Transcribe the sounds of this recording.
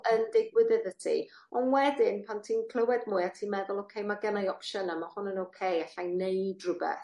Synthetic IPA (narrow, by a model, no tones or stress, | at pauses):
əndɪɡwɪðɛðətʰḭ | ɔnwɛdɪnpʰantʰiːnkʰl̥ˠəwɛdmuːɨatʰiːnmɛðʊlˠowkʰejmaɡɛnajɔpʃənamahʊnənowkʰejaɬajnnejdrʊbɛ̰θ